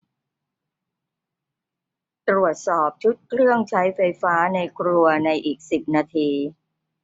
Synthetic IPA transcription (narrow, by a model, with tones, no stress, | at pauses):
t̪ɾu˨˩ət̪̚sɔː˨˩p̚t͡ɕʰu˦˥t̪̚kʰɾɯ˥˩əŋt͡ɕʰa˦˥jfa˧jfaː˦˥na˧jkʰɾu˧ɐna˧jʔiː˨˩k̚si˨˩p̚naː˧t̪ʰiː˧